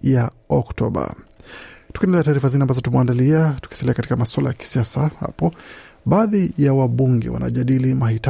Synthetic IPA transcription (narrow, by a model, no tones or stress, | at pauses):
ja | ɔktɔɓa̰ | tukiɛndɛlɛataːɾifazinɛambazɔtumɛandaliatu̥ki̥salɛakati̥kamaswalajaki̥siasaha̰pɔɓaːðijawaɓuŋɡɛ̰wa̰nʔa̰ʄaɗilimahit